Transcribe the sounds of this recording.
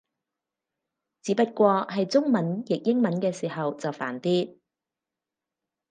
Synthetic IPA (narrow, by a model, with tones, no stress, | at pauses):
t͡siː˨˥pɐ˥t̚kʷɔː˧ɦɐ˨jt͡sʊ˥ŋmɐ˨˦njɪ˨k̚jɪ˥ŋmɐ˨˥nkɛː˧siː˨˩hɐ˨wt͡sɐ˨˩wfa̰ː˨˩nt̪iː˥